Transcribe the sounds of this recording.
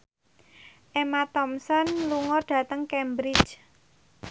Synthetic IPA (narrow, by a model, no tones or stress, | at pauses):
ʔemat̪ɔmsɔnluŋɔrɖ̥ä̤t̪əŋkɛmbɾɪt͡ʃ